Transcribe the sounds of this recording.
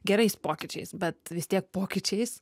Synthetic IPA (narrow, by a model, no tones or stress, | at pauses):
ɡʲɛɾɐɪspoːkʲɪt͡ʃʲɛ̰ɪsbɐt̪ʋʲɪsʲt̪ʲiɛk̚poːkʲɪt͡ʃʲɛɪs